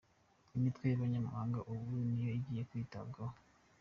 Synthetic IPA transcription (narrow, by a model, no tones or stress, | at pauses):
imitwejaβaɲama̰haːŋɡaʔuβuunijoiɟiːje̞kwiːta̰b̚ɡaho